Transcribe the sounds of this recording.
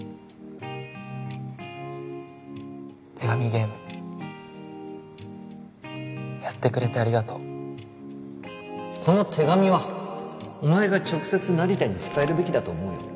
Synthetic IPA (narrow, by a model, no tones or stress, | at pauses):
t̪ʰe̞ɡamʲiɡe̞ːmɯ̟ | jat̪ːe̞kɯ̟ɾe̞t̪eaɾʲiɡat̪o̞ | kʰo̞no̞t̪ʰe̞ɡamʲiβa | omaeɡat͡ɕo̞kɯ̟̥se̞t͡sɨnaɾʲit̪aɲ̟it͡sɨ̥kae̞ɾɯ̟be̞kʲid̪at̪o̞ːmo̞ḭ